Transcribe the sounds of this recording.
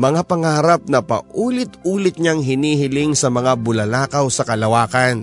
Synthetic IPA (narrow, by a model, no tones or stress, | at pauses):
mɐŋapɐŋaːɾɐp̚nɐpɐ̰ʔuːlɪt̪uːlɪt̪̚ɲaŋɦɪniːhɪlɪŋsɐmɐŋabʊlɐlaːkɐwsɐkɐlɐwaːkɐn